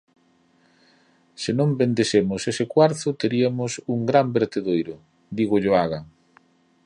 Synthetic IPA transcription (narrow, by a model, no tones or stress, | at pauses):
sɪnõmbend̪esemʊsesɪkwaɾθʊt̪eɾiɐmʊsuŋɡɾambeɾt̪eðojɾʊ | d̪iɣʊʎoaɣa